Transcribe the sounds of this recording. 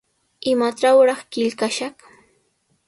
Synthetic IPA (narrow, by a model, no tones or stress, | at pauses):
ɪmaʈ͡ʂawɾɑχkɪʎkaʃɑχ